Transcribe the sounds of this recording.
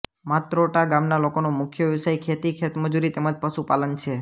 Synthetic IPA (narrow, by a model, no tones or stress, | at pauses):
mat̪ɾoʈaɡamnalokonomʊkʰjəʋɪsajkʰet̪ikʰet̪məd͡ʒuɾit̪emad͡ʒpəʃupalənt͡ʃʰe